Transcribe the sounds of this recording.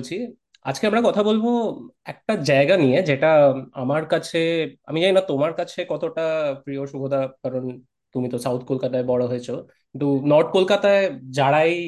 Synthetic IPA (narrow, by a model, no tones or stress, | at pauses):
t͡ɕʰi | a̰d͡ʑkeamɾakɔt̪ʰabolboɛk̚ʈad͡ʑaeɡanijed͡ʑeʈaa̰maɾkat͡ɕʰea̰mid͡ʑaninat̪omaɾkat͡ɕʰekɔt̪oʈapɾioʃubʱod̪ʱakaɾon | t̪umit̪osawt̪ʰkolkat̪aebɔɽoɦoet͡ɕʰokkint̪unɔɾʈ̚kolkat̪aed͡ʑaɽaj